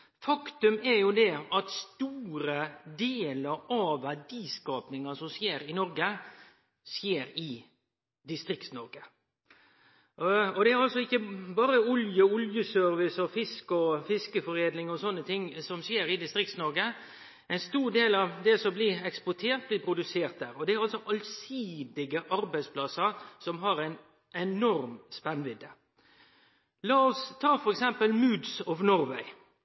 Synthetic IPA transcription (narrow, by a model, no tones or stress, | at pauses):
fɑkt̪ʉmæɾjʊd̪ɛɑt̪st̪uːɾəd̪eːləɾɑʋæɖiːskɑːpnɪŋɑsɔmsjeːɾɪnɔɾɡə | sjeːɾɪ | d̪ɪst̪ɾɪkt̪snɔɾɡə | ɔd̪ɛæɾɑlsɔɪkːəbɑːɾəʊljəʊljəsœɾʋɪsɔfɪskɔfɪskəfɔɾeːd̪nɪŋɔsɔnːət̪ʰɪŋːsɔmsjeːɾɪd̪ɪst̪ɾɪkt̪snɔɾɡə | ɛɪnst̪uːɾd̪eːlɑʋd̪ɛsɔmblɪɾɛkspɔʈ̪ʰeːɾt̪̚blɪːpʰɾʊd̪ʉseːɾt̪̚d̪æːɾɔd̪ɛæɾɑlsɔʔɑlsiːd̪ɪɡəʔɑɾbæɪspʰlɑsəɾsɔmɦɑɾæɪn | ɛnɔɾmspɛnʋɪd̪ːə | lɑːɔst̪ʰɑːfɔɾɛksɛmpəlmʉːd̪sɔʋnɔɾʋæɪ